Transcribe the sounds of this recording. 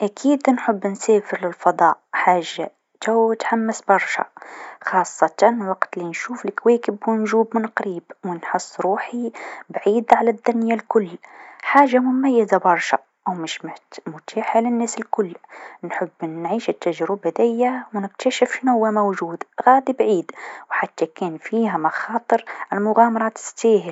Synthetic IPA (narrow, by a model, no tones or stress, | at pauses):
ʔækʰiːd̪nħəbːnsæːfəɾlɪlfɑd̪ˤɑʔħaːʒːa | t̪awt̪ħamːasbɑɾˤʃa̰xɑːsˤːɑt̪ɑnwɑqt̪linʃuːfəlkweːkəbwnʒuːbmʊnqɾiːbwənħəsˤːɾuːħibʕiːd̪ʕalæd̪ːʊnjalkʊlːħaːʒːamʊmajːazabɑɾˤʃa̰ | ʔwmɪʃmɪt̪mʊt̪ʰaːħalɪnːæːsɪlkʊlːnħəbːnːʕiːʃɪt̪ːaʒɾɪbad̪ɪjːawnɪk̚t̪aʃɪfnʊhʊwːamowʒuːd̪ɣaːd̪ibʕiːd̪wħat̪ːakɛːnfiːɦamɑxɑːt̪ˤɨɾalmʊɣaːmɑɾˤɑːt̪ɪ̥steːhɪl